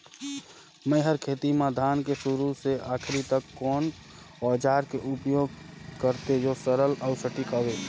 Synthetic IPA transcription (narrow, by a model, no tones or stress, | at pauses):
məɪɦəɾkʰeːt̪imãd̪ʱaːnkesʊɾuseaːkʰɾit̪əkːɔːn | ɔːd͡ʒaːɾkeʔʊpjoːɡkəɾt̪ejosəɾəlɔʊsəʈikaːʋeː